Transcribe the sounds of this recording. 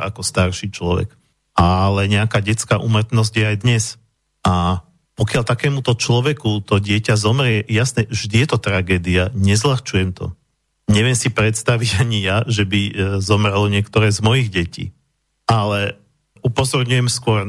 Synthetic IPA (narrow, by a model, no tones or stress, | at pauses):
ʔa̰kɔst̪aɾʃit͡ʃlɔʋɛ̰k | ʔalɛɲɛakaːɟɛt͡skaːʔumrt̪nɔzɟjɛajd̪ɲɛs | ʔa | pɔkɪaʎt̪akɛːmut̪ɔt͡ʃlɔʋɛkut̪ɔɟɪɛcazɔmɾɪɛjasnɛʒd̪ijɛt̪ɔt̪ɾaɡɛːd̪iaɲɛzlaxt͡ʃujɛmt̪ɔ̰ | ɲɛʋɛmsipɾɛt̪st̪aʋiɟaɲijaʒɛbizɔmɾɛlɔɲɪɛkt̪ɔɾɛːzmɔjiɣɟɛcḭː | ʔalɛ | upɔzɔɾɲujɛmskʊɔɾ